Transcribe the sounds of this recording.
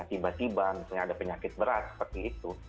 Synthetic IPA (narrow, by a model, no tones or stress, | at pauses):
at̪ibat̪ibamit̪uɲaːdapəɲakɪt̪̚bəɾat̪sə̥pərt̪iːt̪u